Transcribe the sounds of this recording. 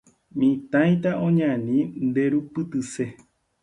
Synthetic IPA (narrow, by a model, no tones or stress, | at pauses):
mĩt̪ãj̃t̪aõɲãnĩnd̪eɾupɨt̪ɨse